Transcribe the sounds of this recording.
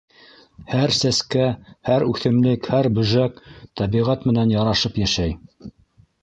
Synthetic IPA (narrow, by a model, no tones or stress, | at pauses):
hæɾsæskæhæɾʉθɘ̆mlɘkhæɾbɵ̆ʒækt̪ɑβiʁæt̪mɘ̆nænjɑɾɑʃɤpjæʃæj